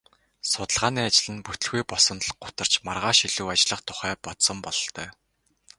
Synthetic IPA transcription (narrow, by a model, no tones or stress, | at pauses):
sʊt̪ə̆ɮʁaːniːat͡ɕɪ̆ɮɘ̆nput̪ɘ̆ɮɣujpɔsɞ̆nt̪̆ɮɢʊt̪ə̆r̥t͡ɕmarʁaːʃiɮuːat͡ɕɪ̆ɮə̆χt̪ʰʊ̥χæːpɔt̪sɞ̆mpɔɮɞ̆ɬt̪œː